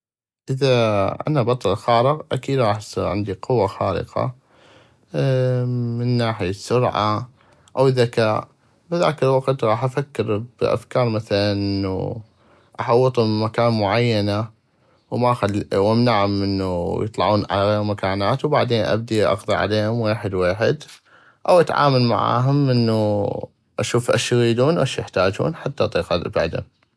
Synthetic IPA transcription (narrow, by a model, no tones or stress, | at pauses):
ʔɪðaʔa̰nabɑt̪ˤɑlxɑːɾəqʔakiːd̪ɾˤɑːħʕɪ̰nd̪iqʊwːaxaːɾɪ̰qɑ̰ | mɪnːaːħɪjasːʊɾʕa̰ | ʔawðːakaːʔ | bɪða̰ːkɪlwaqt̪ɣˤɑːħʔafakːɪɾbʔa̰fkɑːɾˤmaθalanʔɪnːṵ | ʔaħɑwːɨt̪ˤhʊmmakaːnmʊʕajːana | wmaʔxalwamnaʕʊmʔɪnːujɨ̰t̪ˤlɑʕuːnʕa̰laɣeːɾmakaːnaːt̪wbaʕd̪eːnʔa̰b̚d̪iʔɑ̰qðˤiʕa̰leːhʊmweːħɪd̪weːħɪ̰d̪ | ʔawʔat̪ʕa̰ːmalma̰ʕa̰ːɦʊmʔɪnːu | ʔaʃuːfʔaʃjɣiːd̪uːnʔaʃjɪħt̪aːd͡ʒṵːnħat̪ːaʔt̪ˤiːqɑba̰ʕd̪ʊ̰m